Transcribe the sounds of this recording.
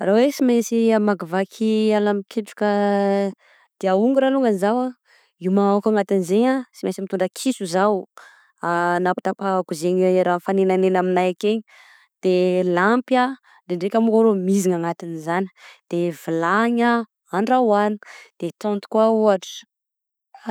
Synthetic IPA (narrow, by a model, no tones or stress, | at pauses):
rawesimesiamaɡavakʰialamikʰeʈ͡ʂu̥kə | d̪̥eauŋɡuɾaluŋanizawa | imaakaŋat̪inzeɲasimasimit̪uɳɖ͡ʐəkʰisuzaw | anapi̥t̪apakuzeɲiiɾanfanenanenaminajakeɲ | d̪̥elampja | d̪eɳɖ͡ʐekʲamukaɾomiziŋaŋat̪inizani̥d̪̥evilaɲa | aɳɖ͡ʐawani̥d̪̥et̪ɔ̃nt̪u̥kwauaʈ͡ʂə̥